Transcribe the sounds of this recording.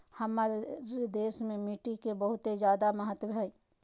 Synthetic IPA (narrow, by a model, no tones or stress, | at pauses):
hɐmaːɾɾed̪eːsmẽmiʈikebəɦʊt̪ed͡ʒjaːd̪aməɦət̪wʱai